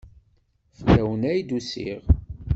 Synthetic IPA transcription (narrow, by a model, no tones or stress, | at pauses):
flæwənæjd̪usḭʁ